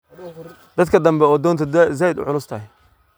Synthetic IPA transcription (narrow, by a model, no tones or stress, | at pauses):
d̪̥ɐd̪kʰɐd̪ɐmbɛɔːd̪ɔːnt̪ʰɐzaːjɪd̪ʊ̰ʕʊlʊst̪ʰɐhɪ